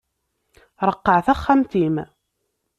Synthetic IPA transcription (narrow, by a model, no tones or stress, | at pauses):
ɾˤəqːəʕθæχːamt̪im